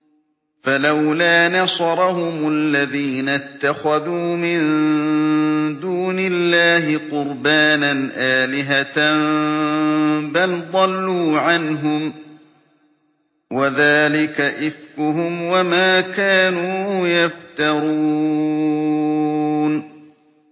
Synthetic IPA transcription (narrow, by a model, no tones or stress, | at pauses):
falawlaːnɑsɑɾˤɑhʊmalːaðiːnat̪ːaxaðuːmɪn | d̪uːnɪlːaːɦɪqʊɾbaːnanʔaːlɪɦat̪an | bald̪ˤɑlːuːʕanɦʊm | waðaːlɪkaʔɪfkʊɦʊmwamaːkaːnuːjaft̪ɑɾˤuː | n